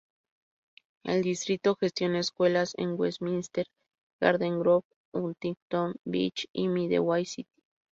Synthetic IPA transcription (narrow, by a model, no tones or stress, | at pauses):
ḛld̪ist̪ɾit̪oxest̪joneskwelasḛŋwesminst̪eɾ | ɡ̥a̰ɾðeŋɡɾok | unt̪it̪onbḭt͡ʃimiðḛwajsit̪i̥